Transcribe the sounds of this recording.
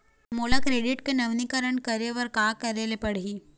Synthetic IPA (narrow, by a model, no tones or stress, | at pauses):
moːlakɾeːɖɪʈkenɐʋnikəɾəɳkəɾeʋəɾkaːkɐɾelepɐɽ̤ɦiː